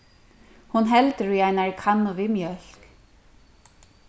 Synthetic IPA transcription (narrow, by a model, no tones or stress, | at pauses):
hunɦɛlt̪ɪɾiajnaɹkʰanːʊvɪmjœl̥k